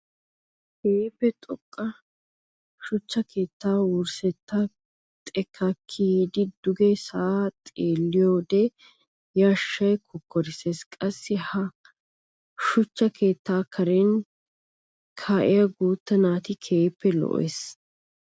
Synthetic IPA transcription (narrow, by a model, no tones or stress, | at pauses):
keːpːɛt̪ʼɔkʼːɐ | ʃʊt͡ʃːɐkʰe̞ːt̪ːaːwʊɾsɛt̪ːɐ | t̪ʼɛkʰːɐkʰːiːd̪ɪd̪ʊɡɛsɐat̪ʼeːlːɪjoːd̪ɛ | jaːʃːɐjkʰʊkːɔɾɪseːskʼɐsːɪhɐ | ʃʊt͡ʃːɐke̞ːt̪ːaːkʰɐɾeːn | kʰaːʔɪjɐɡuːt̪ːɐnaːt̪ɪkʰeːpːɛlɔ̰ʔḛːs